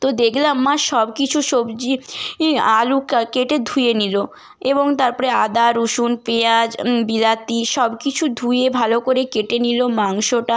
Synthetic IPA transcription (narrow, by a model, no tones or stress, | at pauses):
t̪od̪ekʰlamːaʃɔbkit͡ɕʰuʃobd͡ʑi | alukakeʈed̪ʱujenilo | eboŋt̪aɾpɔɾead̪aɾuʃunpead͡ʑbilat̪iʃɔbkit͡ɕʰud̪ʱujebʱalokoɾekeʈenilomaŋʃoʈa